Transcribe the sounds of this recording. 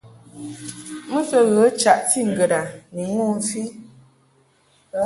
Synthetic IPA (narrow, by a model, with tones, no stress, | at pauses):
mə˦fə˦ɣə˨˦t͡ʃa˨ʔti˦˨ŋ̩˨ɡə˨da˨ni˨ŋo˦˨˦fi˦